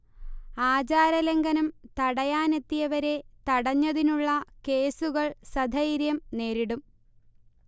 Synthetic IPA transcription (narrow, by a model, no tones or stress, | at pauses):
aːt͡ɕaːɾɐlɐŋɡɐnumt̪ɐɽɐjaːne̞t̪ːijɐʋɐɾe̞t̪ɐɽɐɲːɐðinuɭːɐke̞ːsuɣɐɭsɐd̪ʱɐjɾjɐmne̞ːɾiɽum